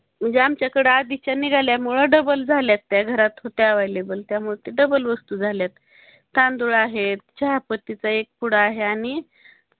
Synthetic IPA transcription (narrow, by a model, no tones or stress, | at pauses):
m̤əɳd͡zeamt͡ɕjakəɽəad̪it͡ɕaniɡʱaljamuɭəɖəbəld͡zʱaljat̪ːjaɡʱəɾat̪ɦot̪eəʋajlebəlt̪jamuɭet̪iɖəbəlʋəst̪uːd͡zʱaljat̪ː | and̪uɭaɦet̪̚t͡ɕaɦapət̪ːit͡saek̚puɽ̤aːɦeaɽ̃i